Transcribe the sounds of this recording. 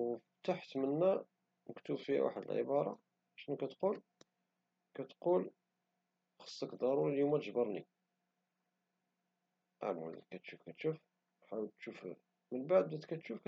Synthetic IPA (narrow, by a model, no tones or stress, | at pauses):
t̪aħt̪mənːæ | əkt̪ubfihæ̰wa̰ħəd̪ə̰lʕə̰bɑɾˤɑ̰ | ʕʃnukæt̪qul | kæt̪qul | xə̥sˤːəkd̪ˤɑɾuɾiljumːæt̪əʒbəɾˤnḭ | ʔa̰mə̰lkæt̪ʃufkæt̪ʃuf | ħawəlt̪ʃuf | mənbaʕd̪̚dæt̪kæt̪ʃufkæ